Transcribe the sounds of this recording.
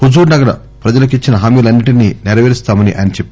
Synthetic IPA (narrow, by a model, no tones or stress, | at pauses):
hud͡ʒuːɾnɐɡɐɾɐ̰ | pɾɐd͡ʒɐlɐkit͡ʃːinɐɦaːmiːlɐnːiʈininɛɾɐʋeːɾist̪aːmɐniʔɐ̰jnɐt͡ʃepː